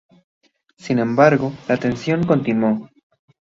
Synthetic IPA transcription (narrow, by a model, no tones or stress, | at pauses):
sinẽ̞mbaɾɣo̞laːt̪e̞nsjo̞ŋkont̪inwo